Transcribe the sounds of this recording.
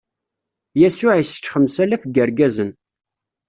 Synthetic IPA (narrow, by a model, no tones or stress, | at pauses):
jæsʊʕisə̥t͡ʃːχəmsælæfəɡəɾɡæzən